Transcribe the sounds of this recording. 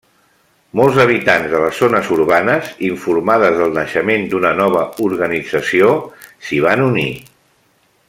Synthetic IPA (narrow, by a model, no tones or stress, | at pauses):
mɔlˠzəβ̞it̪anzðələzːonəzuɾβanəziɱfuɾmaðəzðəlˠnəʃəmend̪unənɔβ̞əuɾɣənid͡zəsiosiβ̞anuni